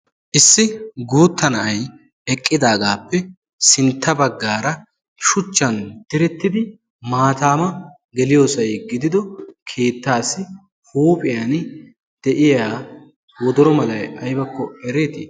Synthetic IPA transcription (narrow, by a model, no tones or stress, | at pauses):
ʔɪsːɪɡuːt̪ːɐnɐʔɐj | ɛkʼːɪd̪aːɡaːpːɛ | sɪnt̪ːɐbɐɡːaːɾɐ | ʃʊt͡ʃːɐnd̪̥ɪɾɛt̪ːɪd̪ɪ | maːt̪aːmɐ | ɡɛlɪjoːsɐjɡɪd̪ɪd̪ɔkʰe̞ːt̪ːaːsɪ | huːpʼɪjaːn | d̪̥ɛʔɪjaː | wɔd̪ɔɾɔmɐlɐjɐjbɐkːɔɛɾeːt̪ɪ̰